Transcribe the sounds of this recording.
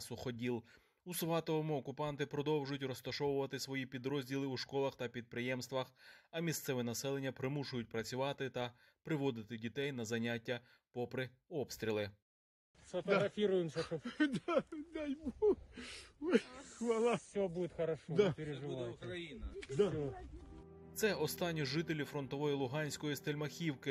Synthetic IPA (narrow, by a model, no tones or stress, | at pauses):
sʊxɔdʲilˠ | usʋɑt̪ɔʋɔmʊɔkʊpɑnt̪ɪpɾɔd̪ɔwʒʊjʊtʲrɔst̪ɐʃɔwʊʋɐt̪ɪsʋɔjipʲid̪ɾɔzʲdʲilˠɪuʃkɔlˠɐxt̪ɐpʲid̪̚pɾɪjɛmst̪ʋɐxɐmʲist̪sɛʋɪnɐsɛlˠe̞nʲːɐpɾɪmuʃʊjʊt̚ʲpɾɐt͡sʲʊʋɑt̪ɪt̪ɐ | pɾɪʋɔd̪ɪt̪ɪdʲit̪ɛjnɐzɐnʲatʲːɐ | pɔpɾɪ | ɔpst̪ɾʲilˠɪ | sɐt̪ɔɾɐfʲiɾʊjɪmsɔt̪ɔd̪d̪ɛjbu | ʋɐlˠasʲɔbudʲɪt̪xɐɾɐʃɔd̪peɾʲɪʒɪukɾɐjinɐd̪ɔ | t̪sɛɔst̪ɑnʲːiʒɪt̪elʲifɾɔnt̪ɔʋɔjilˠʊɦɑnʲsʲkɔjist̪elʲmɐxʲiwkɪ